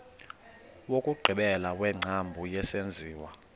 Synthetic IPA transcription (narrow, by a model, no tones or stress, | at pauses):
wokʼuɡ͡ǀʱiɓɛlawɛŋ͡ǀʱambʱujɛsend͡zʱiːwa